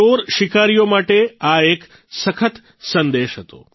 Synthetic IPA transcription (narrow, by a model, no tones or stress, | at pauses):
oɾʃikaɾijomaʈeaek | səkʰət̪ | sənd̪eʃɦət̪o̰